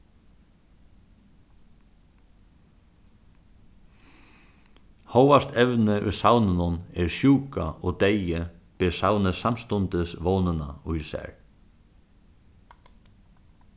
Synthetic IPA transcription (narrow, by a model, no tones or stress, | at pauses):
howast̪ʰɛvnɪʔʊ̰jsawnɪnʊnɛɹsjuːkaɔɣt̪ejɪpɪːsawnɪsamst̪ʊnt̪ɪsvoːnɪnaʊjsɛ̰ɹ